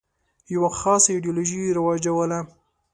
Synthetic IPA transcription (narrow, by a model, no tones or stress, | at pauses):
jawaxɑsaɪɖijoloʒiɾawɑd͡ʒawəla